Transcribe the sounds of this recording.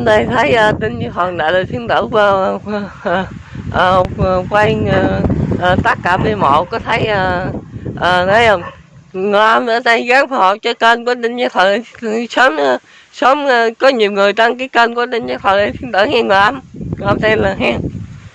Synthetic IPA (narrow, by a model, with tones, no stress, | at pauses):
nɗ̪a˧jt̪ʰə˨˦jʔəː˧˩t̪ə˧nɲa˧t̪ʰwə˨˩ŋɗa̰ː˧˨jləː˨˩jt̪ʰi˧əŋt̪ə̰ː˧˩kː | ʔːkwa˧j | ʔəː˨˩t̪a˦˥k̚kaː˧˩pi˧mo̰˧˨kɔ˨˦t̪ʰə˨˦jʔə˧ʔəː˨˩nə˨˦jʔə˧wŋ͡m | ŋɨ˨˩ʔə˧mzə̰ː˧˦na˧jɣaː˨˦ŋfa˨˩hɔ̰˨t͡ɕɔ˧˩kə˧nku˧˩ə˦tə˧nɲaː˧t̪ʰwə˨˩˨sə˨˦m˧ | sə˨˦m˧kɔ˨˦ɲi˨˩əwŋɨ˨˩əjt̪a˧ŋkaː˨˦jkə˧nku˧˩ə˦nə˧nɲaː˧t̪ʰwə˨˩˨t̪ʰi˧ənt̪ə̰ː˧˩hɛ˧ŋɨ˨˩əjʔə˧mŋ˨˩˨ʔə˧mt̪ɛ˧nlaː˨˩ɦɛ˧ŋ